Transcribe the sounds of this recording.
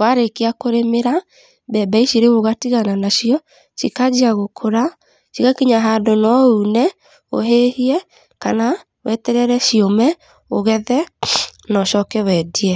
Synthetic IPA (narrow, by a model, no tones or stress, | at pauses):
waɾekeakoɾemeɾa | bɛbaiʃiɾeβoɣatiɣananaʃiɔ | ʃikad͡ʒiaɣokʰoɾa | ʃikakiɲaɦaːdonɔunɛ | o̰ɦehiɛ | kana | wɛtɛɾɛɾɛʃiomɛ | oɣɛðɛnɔʃɔkɛwɛdiɛ